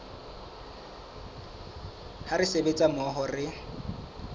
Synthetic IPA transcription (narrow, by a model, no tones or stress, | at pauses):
harɪsebet͡sʼamɔɦɔrɪ